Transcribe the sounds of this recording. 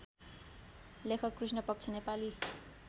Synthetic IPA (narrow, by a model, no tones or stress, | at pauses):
lekʰʌkːrusnʌpʌk̚t͡sʰʌnepali